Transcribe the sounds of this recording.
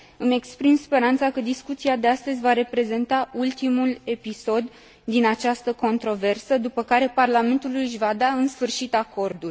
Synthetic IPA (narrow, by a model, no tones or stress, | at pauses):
ɨme̞kspɾimspe̞ɾant̪sakəd̪iskut̪siad̪east̪əzʲvaɾe̞pɾe̞ze̞nt̪ault̪imule̞piso̞d̪ː | inat͡ʃast̪əko̞nt̪ɾo̞ve̞rsəd̪upəkaɾe̞parlame̞nt̪ulujɨʃʲvad̪aɨnsfɨrʃit̪ako̞rd̪urʲ